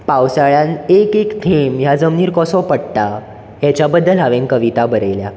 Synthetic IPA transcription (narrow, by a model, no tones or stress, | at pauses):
pawsaɭjãnekekt̪ʰemjad͡zəmniːɾkɔsɔpəɽt̪a | jat͡ɕjabəd̪ːəlɦaʋenkəʋit̪abəɾejlja̰